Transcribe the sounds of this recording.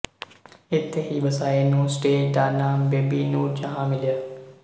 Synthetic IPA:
ɪt̪ʰːeɦibɐsaːenũːsʈeːd͡ʒɖ̪aːnaːmbeːbiːnũːd͡ʒɐɦãːmɪljə

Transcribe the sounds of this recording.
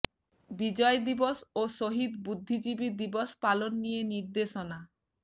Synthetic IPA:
bid͡ʑɔed̪iboʃoʃoɦid̪bud̪ʱːid͡ʑibiɾd̪iboʃpalonːijeniɾd̪eʃona

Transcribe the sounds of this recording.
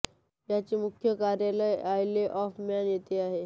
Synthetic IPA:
jat͡ɕemukʰjəkaɾjaləjajleʔɔfmanjet̪eaɦe

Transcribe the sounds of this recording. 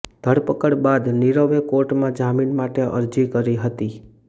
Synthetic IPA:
d̪ʱəɽpəkəɽbad̪niɾəʋekoɾʈmãd͡ʒaminmaʈeʔə̰ɾd͡ʒikəɾiɦət̪i

